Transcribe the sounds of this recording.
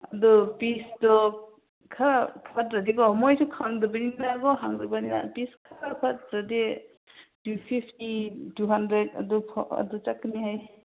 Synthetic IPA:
adɔpisdɔ | kʰaɾapʰatɾadekɔɔmɔjsʰukʰaŋdɯbaninaɡɔɦaŋzɯbanina̰piskʰaɾapʰat̚ɾade | tupʰipʰtituɦandɾeta̰dɔpʰɔa̰dɔt͡ʃakːɯniɦaj

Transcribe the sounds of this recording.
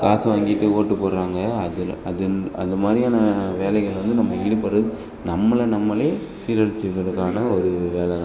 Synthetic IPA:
kaːsɐʋaːŋɡɪʈːɯoːʈːɯpːoːɾɾaːŋɡɐɐðɯɐðɯɐ̰nd̪ɐmaːd̪ɾijaːnɐʋeːlɐɪɣɐɭʋɐnd̪ɯnɐmːɐɪɽɯpːɐɾɐðɯ | nɐmːɐɭɐnɐmːɐleː | siːɾɐɽɪt͡ʃːɯɾɣɐɭɯkːaːnɐɔɾɯʋeːlɐɾã

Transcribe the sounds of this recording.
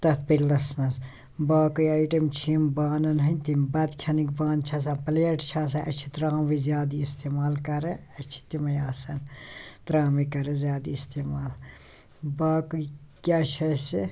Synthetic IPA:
t̪ɐt̪̚pɐɾʲlɐsmɐz | baːkujɐːjʈɐmt͡ʃʰiːmbaːnɐnɦɐnʲt̪imbɐd̪kʰʲɐnikbaːnt͡ʃʰɐs̬aːpɐleːʈt͡ʃʰaːs̬ɐʔɐt͡ʃʰit̪ɾaːmʋizjaːd̪iːst̪eːmaːlkɐɾeɐt͡ʃʰi̥t̪imɐjaːsɐnt̪ɾaːmikɐɾezʲjaːd̪iːst̪eːmaːl | baːkuikʲjaːt͡ʃʰɐsi

